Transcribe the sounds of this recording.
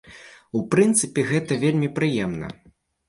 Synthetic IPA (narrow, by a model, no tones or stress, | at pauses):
upɾɨnt̪sɨpʲɛɣɛt̪ɐvʲelʲmʲipɾɨjɛmnɐ̰